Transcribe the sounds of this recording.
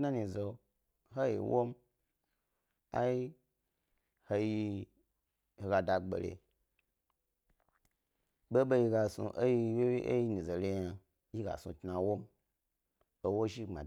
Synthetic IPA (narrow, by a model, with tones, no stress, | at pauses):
na˦ni˨zo˨ | ɦo˦jḭ˨wo˦m | a̰˦i˦ | ho˧ji˧ | ho˨ɡa˨da˨ɡ͡bḛ˨lḛ˨ | ɓo˦ɓo˦ji˧ɡa˨sṵ˧ʔo˦ji˧we˦wi˦ʔo˦ji˦nĩ˨zo˨le˦ja˨ | ji˦ɡa̰˨sṵ˨tna˨wo˦m | o˦wo˦ʒi˦a̰˨